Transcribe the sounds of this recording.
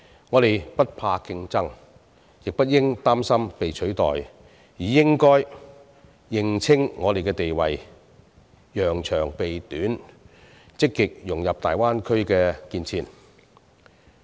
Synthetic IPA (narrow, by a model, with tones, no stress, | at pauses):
ŋɔː˨˧ɾe˨jpɐ˥t̚pʰaː˧kɪ˧ŋt͡sɐ˥ŋ | jɪ˨k̚pɐ˥t̚jɪ˥ŋt̪aː˥msɐ˥mpe˨jt͡ʃʰɵ˨˥ɥt̪ɔ̰ː˨j | jiː˨˩jɪ˥ŋkɔː˥j | jɪ˨˧ŋt͡sʰɪ˥ŋːɔː˨˧t̪e˨jkɛː˧t̪e˨jwɐ̰˨˩j | jœː˨˩ŋt͡ʃʰœː˨˩ŋpe˨jt̪yː˨˥n | t͡sɪ˥kːɪ˨k̚jʊ˨˩ŋjɐ˨p̚t̪a̰ː˨jwaː˥nkʰɵ˥ɥkɛː˧kiː˧nt͡sʰiː˧n